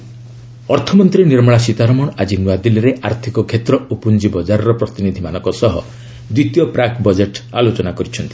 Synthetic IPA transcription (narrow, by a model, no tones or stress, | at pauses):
ɔɾt̪ʰɔmɔnt̪ɾiniɾmɔɭasit̪aɾɔmɔɽad͡ʒinwad̪iliɾeʔaɾt̪ʰikɔkʰet̪ɾɔupund͡ʒibɔd͡ʒaɾɔɾɔpɾɔt̪inid̪ʱimanɔkɔsɔɦɔ̰ | d̪wit̪jɔpɾakbɔd͡ʒeʈa̰lot͡ʃɔnakɔɾit͡ʃʰɔnt̪i̥